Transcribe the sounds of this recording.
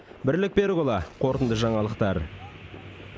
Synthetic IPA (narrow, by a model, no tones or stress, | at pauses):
bɪɾlɪk̚pe̞ɾɡolˠɑqʰo̞ɾt̪ənd̪əʒɑɴɑlˠəq̚t̪ɑɾ